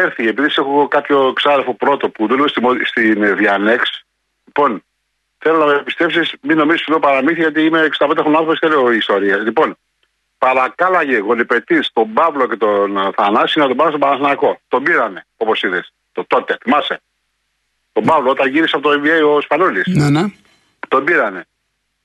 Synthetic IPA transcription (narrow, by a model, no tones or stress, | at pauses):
eɾθiepiðisexokɐpço̞ksɐɾefo̞pɾo̞t̪o̞puðulost̪imost̪inðiɐne̞ks | lipo̞n | θelonɐmepist̪e̞psismino̞mizisiðopɐɾɐmiθiʝɐt̪̬iimeːksɐd̪ɐped̪eɾonɐ̃nθɾoposi̥θeleoiːst̪o̞ɾiɐslipo̞n | pɐɾɐkɐlɐʝeɣo̞lipe̞t̪ist̪o̞mbɐvlo̞ce̞t̪onθɐnɐsinɐt̪obɐnst̪obɐnɐsnako̞t̪o̞biɾɐne̞o̞po̞siðes | t̪ot̪o̞t̪eθimɐse | t̪o̞bɐvloot̪ɐnʝiɾiseɐpot̪oiviejospanolisnne | t̪o̞biɾɐne̞